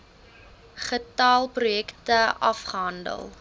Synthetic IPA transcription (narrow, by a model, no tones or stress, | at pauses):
χətɑːlˠprujɛktəʔɐfχəɦɐndə̰lˠ